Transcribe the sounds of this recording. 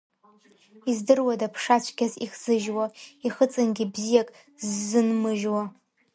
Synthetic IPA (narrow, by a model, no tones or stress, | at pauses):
izdɨrwadapʰʂat͡ʃʷʰɡʲaziχz̥ɨʒwaiχət͡sʼɨnɡʲibzijakʼ | zːɨnmɨʒwa